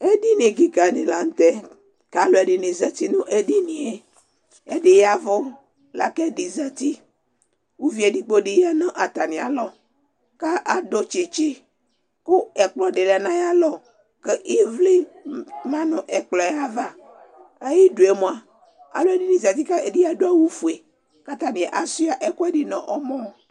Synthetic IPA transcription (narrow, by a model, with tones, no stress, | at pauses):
e˦ɖi˦nẽ˨ɡi˦ka˨ne˨la˨ŋ̩˦t̪ɛ˦ | ka˨lo˨e˨ɖe˨nẽ˨za˦t̪i˦nũ˦ʔe˨ɖi˦nĩ˨e˨ | e˦ɖe˨ja˨vɔ˦ | la̰˨ke˦ɖi˨za˦t̪i˦ | wu˦vi˨˦e˨di˦k͡po˦ɖe˨ja˦nã˦ʔa˨t̪a˨nĩ˨a̰˨lɔ˦ | ka˦ʔa˨ɖo˦t͡ʃe˨t͡ʃi˦ | ku˦e˨k͡plɔ˦ɖe˨la˨nã˦ja˦lɔ˨ | ke˦ʔi˦vli˦nã˦nɔ̃˨ʔe˨k͡plɔ˨ja˦va˦ | e˦ji˦ɖu˨e˨mõ˨a˨ | a̰˨lo˦e˦di˦nĩ˨za˨t̪i˦ka˦e˨di˦ja˨do˦a˦wu˦fu˨e˨ | ka˦t̪a˦nĩ˨e˨ʔa˨su˦a˨ʔe˦kɔ˦e˦ɖi˨nɔ̃˨ʔɔ˦mɔ̃˦˨